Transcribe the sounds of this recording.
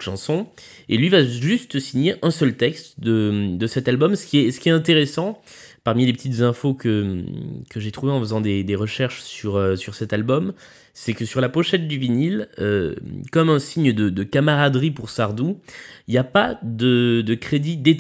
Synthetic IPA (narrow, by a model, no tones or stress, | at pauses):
ʃɑ̃sɔ̃ | elɥivaʒyst̪siɲeʔɛ̃sœlt̪ɛkst̪d̪əd̪əsɛt̪albɔmsə̥kʲiɛsə̥kʲiɛt̪ɛ̃t̪eʁesɑ̃paʁmilepət̪it̪zɛ̃fokə | kəʒet̪χuveɑ̃fəzɑ̃d̪ed̪eʁəʃɛʁʃsyʁøsyʁsɛt̪albɔm | sɛkəsyʁlapɔʃɛt̪̚d̪yvinilø̰kɔmɛ̃siɲd̪əd̪əkamaʁad̪ʁipuʁsaʁd̪uiljapad̪əd̪əkχed̪id̪e